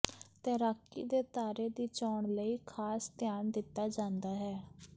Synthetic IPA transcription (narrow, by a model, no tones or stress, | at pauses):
t̪ẽːɾaːkːḭːd̪eːt̪aːɾeːd̪iːt͡ʃaːɳləiːkʰaːst̪ɪjaːnd̪ɪt̪ːaːd͡ʒãːnd̪aːɦɛː